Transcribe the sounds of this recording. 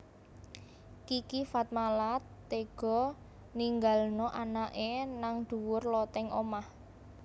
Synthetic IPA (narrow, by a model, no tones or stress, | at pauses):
kikifat̪̚malat̪ːeɡ̥ɔ̤ | niŋɡalnɔʔanaʔenaŋd̪̥ṳwʊrlɔt̪ɛŋomah